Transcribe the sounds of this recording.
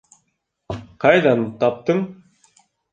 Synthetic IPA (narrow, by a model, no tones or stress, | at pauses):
qɑjd̪ɑnt̪ɑp̚t̪ɤɴ